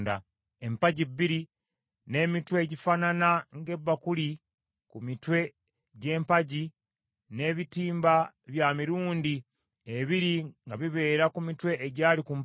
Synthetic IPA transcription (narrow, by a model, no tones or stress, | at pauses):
nda | empaɟibːiɾi | ne̞ːmitwe̞ːɟifananaŋɡe̞bːakuli | kumitwe̞ | ɟe̞ːmpaɟi | ne̞ːβitiːmba | βjamiɾuːndi | eβiɾiŋɡaβiβe̞ːɾakumitwe̞ʔːɟaːlikum